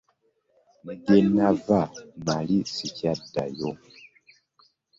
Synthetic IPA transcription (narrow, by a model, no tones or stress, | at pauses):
ŋ̩ɡenavamalisicada̰jɔ